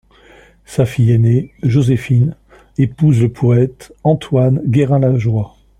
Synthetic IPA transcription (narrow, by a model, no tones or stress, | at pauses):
safijeneʒozefin | epuzləpʰɔɛt̪ɑ̃t̪ʰwanɡʲeʁɛ̃laʒwa